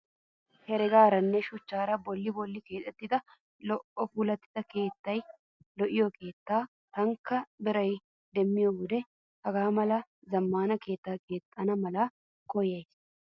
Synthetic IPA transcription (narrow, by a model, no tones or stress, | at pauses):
hɛɾɛɡaːɾɐnːɛʃʊt͡ʃːaːɾɐbɔlːɪbɔlːɪke̞ːt̪ʼːɛt̪ːɪd̪ɐ | lɔʔɔfuːlɐt̪ːɪ̥d̪ɐke̞ːt̪ːɐj | lɔʔɪjɔkʰe̞ːt̪ːaː | t̪ɐŋkːɐbɪɾɐj | d̪ɛmːɪjɔɡʊd̪ɛ | hɐɡaːmɐlɐ | zɐmːaːnɐke̞ːt̪ːaːke̞ːt̪ʼːɐnɐmɐlɐ | kɔjɐjs